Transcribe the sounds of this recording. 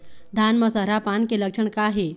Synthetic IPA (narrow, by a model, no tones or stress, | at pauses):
d̪ʱanməsəɾapankeləkʂəɳkaɦe